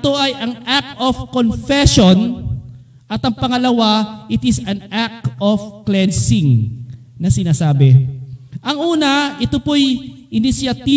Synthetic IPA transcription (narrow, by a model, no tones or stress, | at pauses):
t̪o̞ʔɐjʔɐŋʔak̚t̪ʔofkonfɛʃon | ʔɐt̪ɐŋpɐŋɐlɐwaʔɪt̪ɪsɐnak̚ofklɛnsɪŋ | nɐsɪnaːsaːbɛ | ʔɐŋʔuːnɐɪt̪opo̞jʔɪnɪsjɐt̪iː